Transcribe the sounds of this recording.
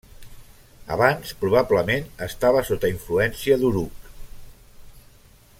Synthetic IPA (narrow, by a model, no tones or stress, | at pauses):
ə̰βanspɾuβ̞abləmenəst̪aβəsot̪əiɱfluɛnsiəðuɾuk